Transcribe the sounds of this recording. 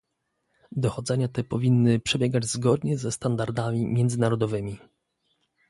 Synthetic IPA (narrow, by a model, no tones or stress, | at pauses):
d̪ɔxɔd̪zɛɲat̪ɛpɔvʲinːɘpʂɛbʲjɛɡad͡ʑzɡɔd̪ɲɛzɛst̪and̪aɾd̪amʲimʲjɛnd̪zɘnaɾɔd̪ɔvɘmʲi